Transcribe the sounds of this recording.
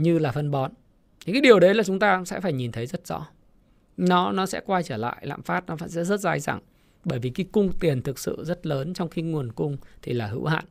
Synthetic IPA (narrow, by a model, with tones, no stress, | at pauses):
ɲɨ˧laː˨˩fə˧nɓɔ˨˦n˨ | kaː˨˦jɗi˨˩əwɗə˨˦jlaː˨˩t͡ɕʊ˨˦ŋ͡mt̪aː˧sɛ̰˧˥faː˧˩jɲi˨˩nt̪ʰə˨˦jzə˦˥t̚z̥ɔ̰˧˥ | nɔ˨˦nɔ˨˦sɛ̰˧˥kwaː˧jt͡ɕəː˧˩la̰ː˧˨jla̰ː˧˨mfaː˦˥t̚nɔ˨˦˧sɛ̰˧˥zə˦˥t̚zaː˧jza̰ː˧˩ŋ | ɓəː˧˩jvi˨˩ki˨˦kʊ˧ŋ͡mt̪i˨˩ənt̪ʰɨ˨˩k̚sɨ̰˧˨zə˦˥t̚ləː˨˦nt͡ɕɔ˧wŋ͡mxi˧ŋu˨˩ənkʊ˧ŋ͡mt̪ʰi˨˩laː˨˩ɦɨ̰˧˥wha̰ː˧˨nʔ